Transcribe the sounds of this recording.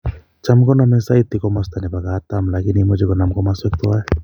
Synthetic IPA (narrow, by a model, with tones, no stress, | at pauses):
t͡ʃa˦mkɔ˦namɛ˦sa˦it̪ikɔ˦mast̪a˨ni˨ba˨kaː˦t̪amlaki˦nimo˦d͡ʒi˦kɔ˨na˨mkɔ˦mase˦k̚t̪o˦a˦ɛ